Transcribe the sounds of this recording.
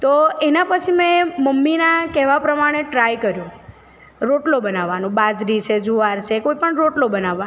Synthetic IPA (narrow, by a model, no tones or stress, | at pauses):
t̪oenapət͡ʃʰimẽməmːinakɛɦʋapɾəmaɽ̃eʈɾajkəɾjũ | ɾoʈlobənaʋːanũbad͡ʒɾit͡ʃʰed͡ʒuʋaɾt͡ʃʰekoipəɳɾoʈlobənaʋːa